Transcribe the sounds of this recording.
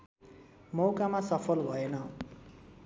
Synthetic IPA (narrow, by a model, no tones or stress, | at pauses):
mowkamasʌpʰʌlbʱʌenʌ